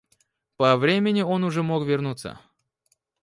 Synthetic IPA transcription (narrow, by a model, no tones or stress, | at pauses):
pɐvɾʲemʲɪnʲɪo̞nʊʐɛmokvʲɪrnut̪sːə̰